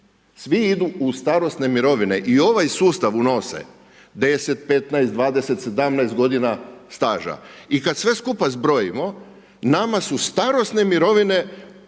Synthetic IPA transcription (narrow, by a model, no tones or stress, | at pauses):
sʋiid̪uust̪aɾo̞sne̞miɾo̞ʋine̞ʔio̞ʋajsuːst̪aʋuno̞sḛ | d̪e̞se̞t̪̚pe̞t̪naest̪d̪ʋaːd̪e̞se̞t̪se̞d̪amnaest̪ɡo̞d̪inast̪aːʒa̰ikad̪sʋe̞skupazbɾo̞jimo̞ | namasust̪aɾo̞st̪ne̞miɾo̞ʋine̞